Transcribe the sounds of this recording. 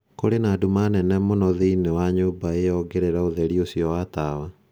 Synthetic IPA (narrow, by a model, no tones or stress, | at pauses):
koɾenadumanɛnɛmonɔðiinewaɲoːbaejɔɡeɾeɾaoðɛɾiosiɔwatawa